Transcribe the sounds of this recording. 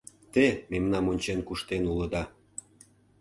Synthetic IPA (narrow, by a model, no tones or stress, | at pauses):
t̪ememnɑmonʲt͡ɕenkuʃt̪enuləd̪ɑ